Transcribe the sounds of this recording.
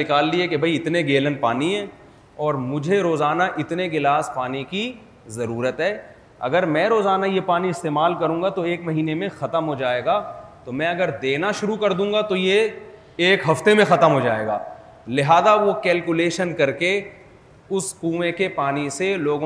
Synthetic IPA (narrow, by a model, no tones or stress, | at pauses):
ɪkaːlːiɛkebʱɐiɪt̪neɡeːlənpaːniɦɛ̃ː | ɔːɾmʊd͡ʒʱeɾoːzaːnaʔɪt̪neɡɪlaːspaːneki | zɐɾuːɾət̪ɦɛː | ɐ̰ɡəɾmɛ̃ɾoːzaːnajepaːniɪst̪eːmaːlkɐɾũːɡat̪oeːkmɐɦiːnemẽxɐt̪əmɦod͡ʒaːeːɡaːt̪omɛ̃ɐɡəɾd̪eːnaʃʊɾukɐɾd̪ũːɡat̪oje | eːkɦɐft̪emẽxɐt̪əmɦod͡ʒaːḛːɡa̰ː | lɪɦaːzaʋokɛːlkʊleːʃənkɐɾke | ʊskuːʋẽkepaːniseloːɡõ